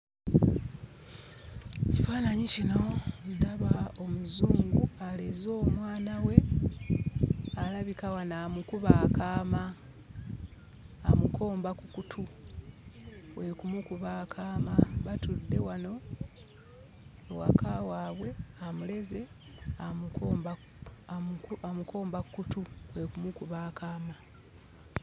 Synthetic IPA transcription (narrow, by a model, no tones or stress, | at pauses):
cifaːnaɲicinoodaβao̞muzuːŋɡualezo̞ːmwaːnawe̞ | alaβikawanaːmukuβaːkaːma | mukʰo̞ːmbakukutʰu | we̞kumukuβaːkʰaːmaβatudːe̞wano̞ | wa̰kawaːβwe̞amule̞ze̞ | ab | amukʰo̞ːmbakukutuwe̞kumukuβaːkaːma